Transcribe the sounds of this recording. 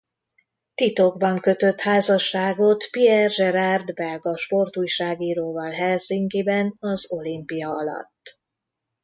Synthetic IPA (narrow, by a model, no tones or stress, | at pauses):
t̪it̪o̞ɡbɒŋkø̞t̪ø̞t̪haːzɒʃːaːɡo̞t̪piɛrʒɛɾard̪bɛlɡɒʃpo̞rt̪uːjʃaːɡiːɾoːvɒlɦɛlsiŋkeːbɛnɒzo̞limpijɒɒlɒ̰t̪ː